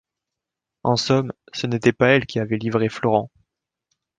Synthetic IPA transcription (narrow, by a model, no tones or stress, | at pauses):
ɑ̃sɔm | sənet̪ɛpaɛlkʲiavɛlivʁeflɔʁɑ̃